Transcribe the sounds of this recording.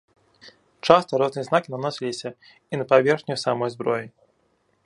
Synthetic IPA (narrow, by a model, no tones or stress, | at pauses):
t͡ʂast̪ɐɾɔznɨjɛznakʲinanɔsʲilʲisʲɐ | inɐpavʲɛrxnʲujsamɔjzbɾɔji